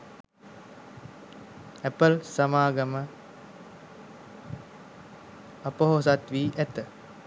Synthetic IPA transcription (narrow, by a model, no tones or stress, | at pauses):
æpəlsamaːɡəmə | apəɦosat̪ʋiːʔæt̪ə